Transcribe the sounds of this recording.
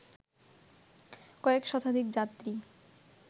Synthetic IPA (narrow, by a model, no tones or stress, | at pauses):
kɔekʃɔt̪ʰad̪ʱikd͡ʑat̪ːɾi